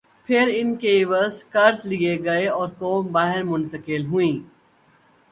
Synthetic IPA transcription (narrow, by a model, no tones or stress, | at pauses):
pʰɪɾɪnkeʋɐzkɐɾzlieɡɐeɔːɾkoːmbaːɦɪɾmʊ̃nt̪əkɪlɦʊĩː